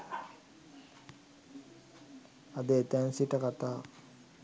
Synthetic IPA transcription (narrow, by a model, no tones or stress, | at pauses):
ad̪eːt̪ænsiʈəkat̪aː